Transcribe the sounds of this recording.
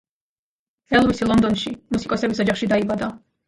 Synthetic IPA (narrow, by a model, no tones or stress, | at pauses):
ɛlˠvisilˠɔnd̪ɔnʃimusikʼɔsɛbisɔd͡ʒaχʃid̪aibad̪a